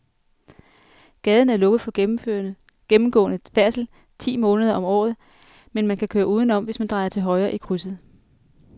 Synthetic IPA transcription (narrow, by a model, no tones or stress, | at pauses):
ɡ̥ɛːð̞ˠn̩æɐlɔ̽ɡ̥ð̞̩ˠfɒ̽ø | ɡ̥emm̩ɡ̥ɔ̰̽ːnəfæɐ̰sl̩ | t͡sʰḭːmɔ̽ːnəð̞ˠɐʔɒ̽mɒ̰ːð̞̩ˠ | menmænkʰækʰøːɐuːð̞ˠn̩ɒ̽m̰ʋe̝smænd̥ʁɑ̈ɪɐt͡sʰe̝lɦɒ̽ɪʁɐːʔikʰʁysð̩ˠ